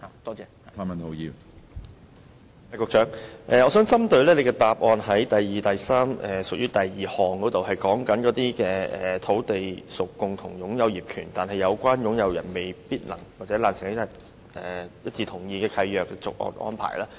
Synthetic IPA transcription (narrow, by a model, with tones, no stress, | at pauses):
ha˨˩t̪ɔː˥t͡sɛː˧˨t̪ʰa˥ma˨no˨˧˥jiː˨˧w | a˨˧jkʊː˧kt͡ʃœː˨˥ŋʔɛː˨ŋɔː˨˧˥sœː˨˥ŋt͡sɐ˥mt̪ɵ˧ɥlɛː˥le˨˧kɛ˧t̪aː˨p̚ʔɔː˨˧nɦɐ˨˥jt̪ɐ˨jjiː˨t̪ɐ˨jsaː˥mɛː˨˩sʊ˨k̚jyː˥t̪ɐ˨jjiː˨hɔː˨ŋkɔː˨˥t̪o˨whɐ˨jkɔː˨˥ŋkɐ˨˥nkɔː˨˥t̪iː˥kɛː˧ɛː˨t̪ʰo˨˥wt̪e˨jsʊ˨kːʊ˨˧ŋt̪ʰʊ̰˨˩ŋjʊ˨˥ŋjɐ˨˧wjiː˨˩p̚kʰyː˨˩nt̪aː˨nhɐ˨jːɐ˨˧wkʷaː˥njʊ˨˥ŋjɐ˨˧wjɐ̰˨˩nme˨˩jpiː˥t̚lɐ̰˨˩ŋwaː˨k̚t͡sɛː˨˥laː˨nsɪ˨˩ŋlɐ˨˥t̪a˧˩ | ɛː˨jɐ˥t̚t͡siː˨˧t̪ʰʊ˨˩ŋjiː˧kɛː˧kʰɐ˧jjœː˨kːɛ˧t͡sʊ˨k̚ʔɔ̰ː˧nʔɔ̰ː˥npʰa̰ː˨˩jlaː˥